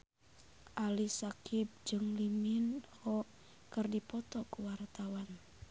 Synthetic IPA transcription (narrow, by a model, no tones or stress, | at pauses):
ʔalisakip̚d͡ʒɨŋliminɔ | kɨrdipɔt̪ɔkuwart̪awan